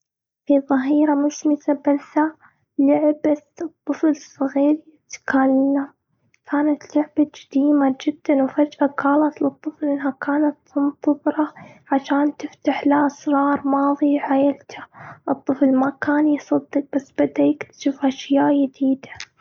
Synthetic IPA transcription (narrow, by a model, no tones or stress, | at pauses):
fiðˤɑɦiːɾamʊʃmɪzabɪlt̪a | lʊʕbaɨt̪ˤːɨflsˤɨɣiːɾjɪt̪kalːam | kʰaːnat̪lʊʕbad͡ʒad̪iːmad͡ʒɪd̪̥ːanwfad͡ʒʔakaːlat̪lɨt̪ˤːɨflʔɪnɦakʰaːnat̪sʊnt̪ˤːɨbɾˤɑʕaʃaːnt̪ɪft̪aħlaʔasɾˤɑːɾˤmɑːðˤiʕajalt̪ʰḁʔɨt̪ˤːɨflmakaːnjsˤɑd̪ːɨq̚basːbad̪aːk̪ʃufaʃjaːʔjɪd̪iːd̪ḁ